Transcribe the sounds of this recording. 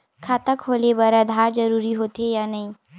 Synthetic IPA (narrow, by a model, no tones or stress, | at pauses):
kʰaːt̪əkɦoːlebɐɾɐd̪ʱaːɾd͡ʒɐɾuːɾiɦoːt̪ejanɐɦĩː